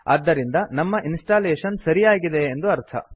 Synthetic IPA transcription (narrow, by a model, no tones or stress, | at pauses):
a̰ːd̪ːɐɾind̪ɐnɐmːɐʔinsʈaːleːʂɐnsɐɾijaːɡid̪eːnd̪uɐɾt̪ʰɐ̰